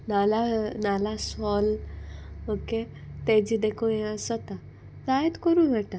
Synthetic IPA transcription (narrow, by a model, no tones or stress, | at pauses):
nalanalasɔl | oke | t̪ed͡ʑid̪ekʰõjẽəsət̪a | d͡zajet̪kəɾũɡʱeʈa